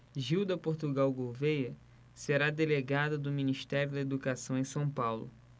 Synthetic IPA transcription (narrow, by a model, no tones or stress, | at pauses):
ʒiwd̪ɐpoɾt̪uɡawɡovejɐ | seɾad̪eleɡad̪ɐd̪ʊminiʃt̪ɛɾjʊd̪ɐed̪ukasɐ̃w̃ẽj̃sɐ̃w̃pawlʊ̰